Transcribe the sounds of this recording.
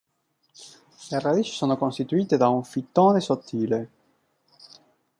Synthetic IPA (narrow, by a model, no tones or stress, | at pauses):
lerad̪iːt͡ʃi̥soːnokonst̪it̪uiːt̪ed̪auɱfit̪ːoːnesot̪ʰːiːle